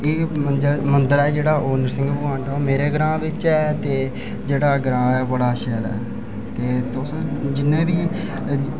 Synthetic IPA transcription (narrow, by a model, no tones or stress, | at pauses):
eːmənd̪əɾmənd̪əɾɛːd͡ʒeːɽaːʔoːnəɾsɪ̃ŋɡpʊãːɳd̪ameːɾeːɡɾãːʋɪt͡ʃɛːt̪eː | d͡ʒeːɽaːɡɾãːɛːbəɽaːʃɛːlɛ̰ː | t̪eːt̪ʊsd͡ʒɪnːẽːbiː